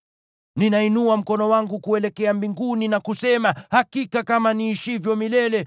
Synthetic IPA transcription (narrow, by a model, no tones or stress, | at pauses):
ninainuam̩kɔnɔwaŋɡukuɛlɛkɛambiŋɡuninakusɛmahakikakamaniːʃivjɔmilɛlɛ